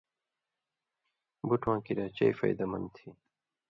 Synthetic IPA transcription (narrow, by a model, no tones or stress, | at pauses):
buʈʰwãːkiɾaːt͡ɕɐ̰ifɐ̰jd̪ɐmɐ̰nt̪ʰi